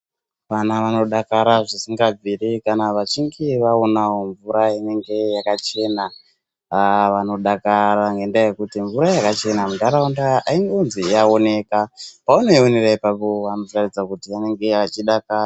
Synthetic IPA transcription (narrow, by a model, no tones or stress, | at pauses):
ʋanaʋano̞ɗakaɾaʐisiŋɡab͡viɾikanaʋat͡ʃiŋɡiʋaonao̞ɱvuɾaine̞ŋɡe̞jakat͡ʃe̞na | ʋano̞ɗakaɾaŋɡe̞ndaje̞kutiɱvuɾajakat͡ʃe̞namudʱaɾaundaaiŋɡeunzijao̞ne̞ːkapaonoioneraipapo̞ʋano̞tarid͡zakutiane̞ŋɡe̞at͡ʃiɗakaa